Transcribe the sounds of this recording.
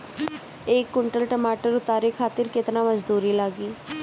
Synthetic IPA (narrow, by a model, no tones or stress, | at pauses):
eːkːʊɳʈəlʈəmaːʈəɾʊt̪aːɾiːkʰaːt̪ɪɾkɪt̪naːməzd̪uːɾiːlaːɡiː